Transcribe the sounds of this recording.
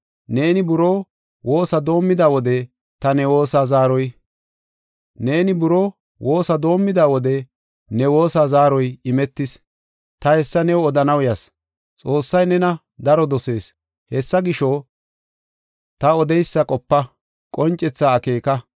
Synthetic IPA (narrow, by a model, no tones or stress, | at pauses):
ne̞ːnɪbʊɾoː | wʔo̞ːsɐd̪o̞ːmːɪd̪aːwɔd̪ɛ | t̪ɐnɛwo̞ːsaːzaːɾɔj | ne̞ːnɪbʊɾoː | wʔo̞ːsɐd̪o̞ːmːɪd̪aːwɔd̪ɛ | nɛwo̞ːsaːzaːɾɔjɪmɛt̪ːɪs | t̪ɐhɛsːɐnɛwɔd̪ɐnɐwjɐs | t͡sʼo̞ːsːɐjnɛnɐ | d̪ɐɾɔd̪ɔse̞ːs | hɛsːɐɡɪʃo | t̪ɐɔd̪ɛjsːɐkʼɔpːɐ | kʼɔnt͡ʃʼːɛt͡sːaːke̞ːkɐ